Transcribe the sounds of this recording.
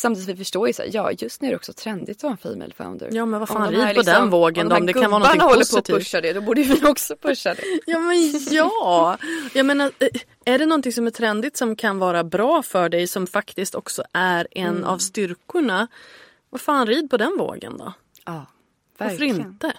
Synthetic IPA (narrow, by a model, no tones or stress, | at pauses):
samt̪id̪sɔ̃ɪfœʂʈoːɾjəsa̰ːjɑ̰ːjɵst̪nʉæɾɛɔksɔt̪ʰɾɛnd̪ɪt̪sɔvanfḭːmɛ̰lfa̰ʊnd̪ə̰ɾjɑːmɛnvaɾfaːnɾiːd̪pɔd̪ɛnvoːɡənd̪ɔɔɔmd̪ɛkkanvɑːɾnɔŋnahɔlp̪ːəɾspʰɪt̪ʰiʊʂːad̪ɛd̪ɔbuːɖəvɪɔksɔpʰɵʂːad̪ɛ̰jɑːmɛnjɑːjɑmeːnaɾ | æɖɛnɔnt̪ɪŋsɔmæʈʰɾɛnd̪ɪt̪sɔmkʰanvɑːɾabɾɑːfœɖɛjsɔmfakt̪ɪst̪ɔksɔʔæɾɛnːa̰vst̪ʏɾkʊɳa | vafaːnɾiːd̪̚pɔd̪ɛnvo̰ːɡə̰nd̪ɔ̰ | ɑː | vaɾɾɪnt̪ə